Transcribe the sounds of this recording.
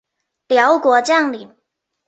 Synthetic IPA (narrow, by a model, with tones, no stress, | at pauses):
ljɑ˧˥ʊkwɔ˧˥t͡ɕjɑ˥˩ŋli˨˩˦m